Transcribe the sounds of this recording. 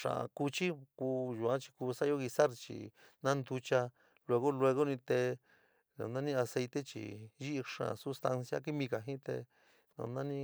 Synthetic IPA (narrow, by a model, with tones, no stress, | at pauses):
ʂã̰˨a̰˨ku˧t͡ʃi˦ku˧ʒu˨˧ã˦t͡ʃi̥˧kuː˧sa˦jo˦ɣi˧sa˦ɾt͡ʃḭ˨ | nã˦nd̪u˧t͡ʃa˧ | lwe˧ɣo˦le˧ɣo˦nĩ˧t̪e˧ | nã̰˨˧nã˦nĩ˦a˧se˧jt̪e˦t͡ʃḭ˨ʒi˦ʔʂã̰˨˧su˦st̪a˧nsja̰˦ki˦mĩ˧ka˨ɦĩ˦t̪ḛ˧ | nã̰˧nã˦nĩ˦